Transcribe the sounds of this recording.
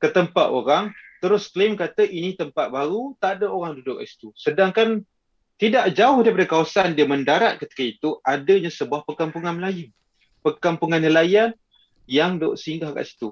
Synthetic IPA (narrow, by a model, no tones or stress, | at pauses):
kət̪əmpat̪o̰ɾaŋt̪əɾʊsklɪmkat̪əʔinĩt̪əmpat̪̚baɾut̪adəoɾaŋdudʊk̚a̰ʔsi̥t̪usədaŋkan | t̪idaʔd͡ʒaʊhdaɾipadakawasandiaməndaɾat̪̚kət̪i̥kait̪uadəɲãsəbuahpəkampuŋanməlajən | pəkampuŋanːəlajan | jaŋdʊ̰ʔsəiŋɡaaɡa̰ʔsi̥t̪u